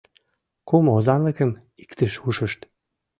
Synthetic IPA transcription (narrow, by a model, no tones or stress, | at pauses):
kumozɑnləkə̆m | i̥kt̪əʃuʃə̆ʃt̪